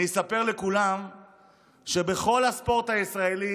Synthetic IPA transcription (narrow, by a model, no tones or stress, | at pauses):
esape̞ʁlekulam | ʃe̞beχo̞lhaspo̞ʁt̪haisʁaeli